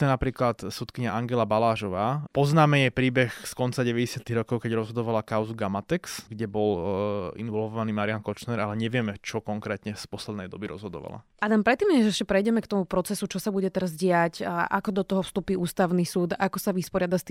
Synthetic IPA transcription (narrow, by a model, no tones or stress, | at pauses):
t̪ɛnapɾiːklat̪sut̪kiɲaʔaŋɡɛlabalaːʒɔʋaːpɔznaːmɛjɛjpɾiːbɛxskɔnt͡saɟɛʋɛɟɛsɪat̪iɣɾɔkɔʊkɛɟɾɔzɦɔd̪ɔʋalakaʊzuɡamat̪ɛksɡɟɛbɔlḭnʋɔlʋɔʋaniːmaɾiankɔt͡ʃnɛɾʔalɛɲɛʋɪɛmɛt͡ʃɔkɔŋkɾɛːt̪ɲɛspɔslɛd̪nɛjd̪ɔ̰biɾɔ̰zɦɔd̪ɔ̰ʋa̰la̰ʔad̪ampɾɛt̪ːiːmɲɛzɛʃcɛpɾɛjɟɛmɛkt̪ɔmupɾɔt͡sɛsut͡ʃɔsabuɟɛt̪ɛɾazɟɪacʔa̰kɔd̪ɔt̪ɔɦɔfst̪upiːuːst̪aʊnisuːd̪akɔsaʋispɔɾɪad̪ast̪i